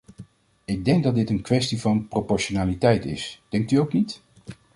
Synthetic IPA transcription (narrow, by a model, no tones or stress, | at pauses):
ɪɡ̚dɛŋɡ̚dɑt̚dɪtənkʋɛstivɑnpropɔɹʃonaːlitɛjtɪ̰sd̥ɛŋk̚tyowknit